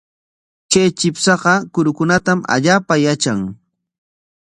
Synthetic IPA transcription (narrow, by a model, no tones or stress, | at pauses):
kejt͡ʃɪpsɑqɑkʊɾʊkʊnat̪ama̰ʎaːpajat͡ʃaŋ